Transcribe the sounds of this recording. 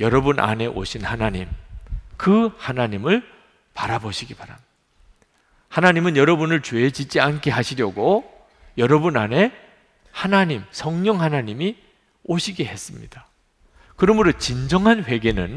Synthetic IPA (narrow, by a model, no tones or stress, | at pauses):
jʌɾʌbunʔa̰ne̞ʔo̰ɕʰinhanaɲimkɯhanaɲimɯɭ | paɾaboɕʰiɡipaɾamɲd | hanaɲimɯnjʌɾʌbunɯɭt͡ɕeet͡ɕit͡ɕ͈iankʰe̞ɦaɕʰiɾjʌɡo | jʌɾʌbunane̞ | hanaɲimsʰʌŋɲʌŋhanaɲimi | oɕʰiɡe̞he̞s͈ɯmɲḭd̥a | kɯɾʌmuɾot͡ɕind͡ʑʌŋɦanɸwe̞ɡe̞nɯn